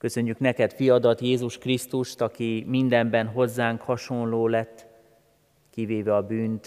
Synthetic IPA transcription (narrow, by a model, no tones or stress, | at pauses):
kø̞sø̞ɲːyknɛkɛt̪fijɒd̪ɒt̪jeːzuʃkrist̪uʃt̪ɒkimind̪ɛmbɛnɦo̞zːaːŋkhɒʃo̞nloːlɛt̪ː | kiveːvɛɒbyːnt̪